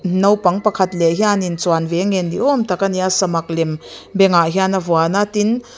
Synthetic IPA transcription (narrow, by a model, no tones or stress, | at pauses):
nɐwpɐŋpɐkʰɐt̪lɛɦianint͡swanvɛŋɛndiʔɔmt̪akaniasɐmɐk̚lɛmbɛŋaʔɦianɐvɔanat̪in